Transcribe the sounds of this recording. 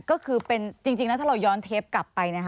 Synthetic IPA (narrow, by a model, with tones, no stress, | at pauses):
kɔː˥˩kʰɯː˧pe˧nt͡ɕi˧ŋt͡ɕi˧ŋnɛ˦˥t̪ʰa˥˩ɾa˧wjɔː˦˥nt̪ʰeː˦˥p̚kla˨˩pːa˧jna˦˥kʰ